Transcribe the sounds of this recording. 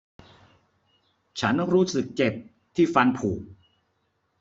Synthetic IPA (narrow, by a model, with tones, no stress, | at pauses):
t͡ɕʰa˦˥n˥ɾuː˦˥sɯ˨˩k̚t͡ɕe˨˩p̚ | t̪ʰiː˥˩fa˧npʰuː˨˩k̚